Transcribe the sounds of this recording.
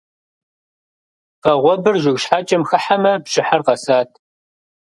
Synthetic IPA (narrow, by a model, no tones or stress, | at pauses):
fɐʁʷɔbɨrʒʷɪɣɕħaːt͡ʃʼɐmxɐħamɐbɕʼɪħɐrqɐsaːtʰ